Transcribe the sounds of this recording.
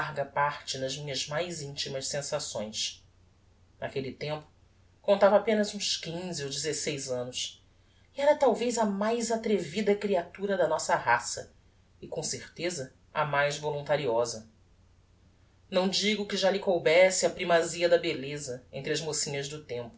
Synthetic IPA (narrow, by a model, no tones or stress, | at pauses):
ɦɡɐpaɾt͡ʃɪnɐzmĩɲɐzmajzĩnt͡ʃimɐʃsẽsasõ̰j̃s | nʔakelit̪ẽmpʊ̥ | kõnt̪avɐapẽnɐzũskĩziowd͡ʒɪzesejzɐ̃nʊs | iɛɾɐt̪awvejzɐmajzat̪ɾevid̪ɐkɾiat̪uɾɐd̪ɐnɔsɐɦasɐ̰ | ɪkõseɾt̪ezɐ | ɐ̰majzvolũnt̪aɾiɔzɐ | nɐ̃w̃d͡ʒiɡʊkɪʒalɪkowbɛsɪɐpɾimaziɐd̪ɐbelezɐẽnt̪ɾɪɐzmosĩɲɐʒd̪ʊt̪ẽmpʊ